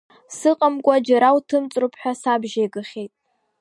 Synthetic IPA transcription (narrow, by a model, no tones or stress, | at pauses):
sɨqʼamkʷʼad͡ʒaɾawtʰɨmt͡sʼrupʰħʷᶣasabʒejɡɨχʲejtʼ